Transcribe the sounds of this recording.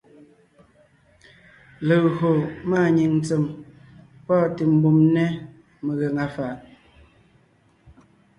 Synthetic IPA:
lə˨ho˨maː˦˨ɲi˨ŋn̩˨t͡sə˨m | pɔ˦˨ti˨m̩˦bu˨mnɛ˦ | mə˨ɣɛ˨ŋa˨fa˨ʔ

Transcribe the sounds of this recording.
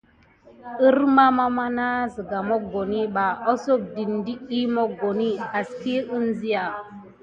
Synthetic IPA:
i˦ɾma˦ma˦ma˦na˦zi˨ɡa˨mo˦ɡo˨ni˦ɓa˨o˦so˦˨k̚di˨ndi˦i˦mo˦ɡo˨ni˦a˨ski˦u˦nzi˦ja˨

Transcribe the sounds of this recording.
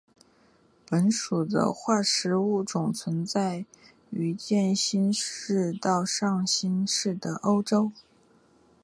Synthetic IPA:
pə˧˥nʂu˨˩d̪ə̰˦xwa˥˩ʂɻ̩˧˥u˥˩t͡sʊ˨˩ŋt͡sʰwə˧˥nt͡sa˥˩ɪ | y˧˥t͡ɕjɛ˥˩nɕi˥nɻ̩˥˧t̪ɑ˥˧ʊʂɑ˥˩˧ŋɕi˥nʂɻ̩˥˩d̪ə˩ʔo˥ʊʈ͡ʂo˥ʊ

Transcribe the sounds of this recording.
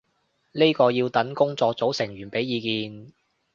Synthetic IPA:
ni˥jkɔː˧jiː˧wt̪ɐ˨˥nkʊ˥ŋt͡sɔː˧k̚t͡so˨˥wsɪ˨˩ŋɥyː˨˩npe˨˥jːiː˨˧kiː˨˧n

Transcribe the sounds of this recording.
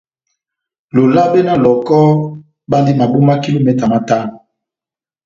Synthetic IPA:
lo˨la˦be˦na˦lɔ˨kɔ˦ | ba˦ndi˦ma˨bu˦ma˦ki˦lo˦mɛ˨ta˨ma˦ta˦n˨

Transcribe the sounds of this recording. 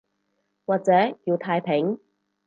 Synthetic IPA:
waː˨k̚t͡sɛː˨˥jiː˧wt̪ʰaː˧jpʰɪ˨˥ŋ

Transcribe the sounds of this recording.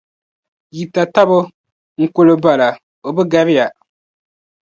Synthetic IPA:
ji˨ta˨ta˦bʊ˦ | ŋ̩˨kʊ˦lɨ˦ba˨la˨ | o˨bɨ˦ɡa˦ɾɪ˦ja˨

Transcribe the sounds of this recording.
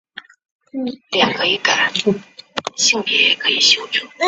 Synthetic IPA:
ljɑ˨˩ŋkʰə˧˥i˧˥˩ka˨˩˦ | ɕi˥˩ŋpjɛ˧˥˦kʰɤ˧˥i˨˩ɕjo˧˥ʊʈ͡ʂu˨˩˦

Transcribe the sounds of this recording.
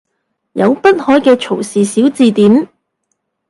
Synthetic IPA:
jɐ˨˧wpɐ˥t̚hɔː˨˥jkɛː˧t͡ʃʰo˨˩wsiː˨siː˨˥wt͡siː˧t̪iː˨˥m

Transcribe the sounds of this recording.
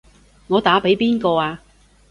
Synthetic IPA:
ŋɔː˨˧t̪aː˨˥pe˨˥jpiː˥nkɔː˧aː˧

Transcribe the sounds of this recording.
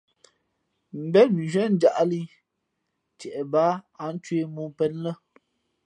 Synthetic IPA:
m̩˨bɛ˦t̚n˨ʒɥɛ˦n̩˦d͡ʒa˨ʔli˦ | t͡ʃjɛ˨ʔɛ˨baː˨˦a˨˦n̩˦t͡ʃwe˦mu˦pɛ˦n˦lə˦

